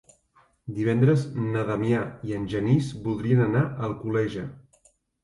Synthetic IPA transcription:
d̪iβ̞ɛnd̪ɾəznəðəmjaiənʲʒənisbulˠd̪ɾiənənaəlˠkulɛʒə

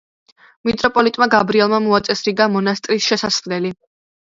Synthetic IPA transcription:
mit̪ʼɾɔpʼɔlit̪ʼmaɡabɾiɛlˠmamuat̪sʼɛsɾiɡamɔnast̪ʼɾisʃɛsasχlɛli

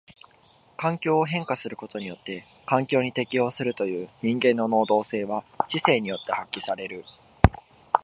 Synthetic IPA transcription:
kãŋkʲo̞ːɦẽ̞ŋkasɨɾɯ̟ko̞t̪o̞ɲ̟ijo̞t̪ːe̞ | kãŋkʲo̞ːɲ̟it̪e̞kʲio̞ːsɨɾɯ̟t̪o̞jɯ̟ːɲ̟ĩŋɡẽ̞nːo̞no̞ːd̪o̞ːse̞ːβat͡ɕise̞ːɲ̟ijo̞t̪ːe̞hakʲːisaɾe̞ɾɯ̟

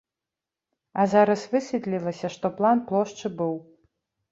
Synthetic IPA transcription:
azaɾɐsvɨsʲvʲit̪lʲilˠɐsʲɐʂt̪ɔplˠanplˠɔʂt͡ʂɨbɨw

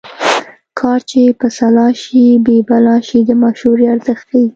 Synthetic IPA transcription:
kʰɑɾt͡ʃepəsalɑʃibebalɑʃid̪əmaʃhuɾeaɾzəxt̪̚kawi

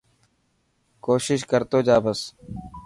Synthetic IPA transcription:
koːʃɪʃkəɾt̪oːd͡ʒaːbəs

